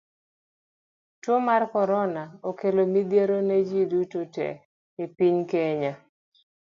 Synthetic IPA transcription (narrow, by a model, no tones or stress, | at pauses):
twomarkɔɾɔnaokelomid̪jeɾoned͡ʒidutotɛ̰ | ɪpiɲkeɲa